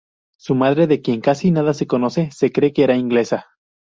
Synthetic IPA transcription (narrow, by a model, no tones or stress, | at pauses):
sumað̞ɾe̞ðekje̞ŋkasinaðase̞ko̞no̞se̞se̞kɾe̞keeɾaiŋɡle̞sa